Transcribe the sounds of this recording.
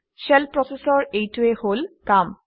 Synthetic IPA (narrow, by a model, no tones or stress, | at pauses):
ʃelpɹɔsesɔɹejtueholkam